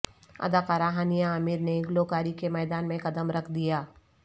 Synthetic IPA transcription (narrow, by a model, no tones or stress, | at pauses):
ɐ̰d̪aːkaːɾaːɦaːnijãɐmiɾneɡloːkaːɾikemɛːd̪aːnmẽkɐd̪əmɾɐkʰd̪ijaː